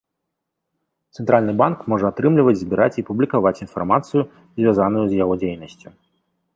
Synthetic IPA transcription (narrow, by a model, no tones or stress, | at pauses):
t̪sɛnt̪ɾalʲnɨbankmɔʐɛat̪ɾɨmlʲivɐt͡sʲzʲbʲiɾʔat͡sʲipublʲikavat͡sʲinfarmat̪sɨju | zʲvʲazanʊjuzʲjaɣɔd͡zʲejnɐsʲt͡sʲu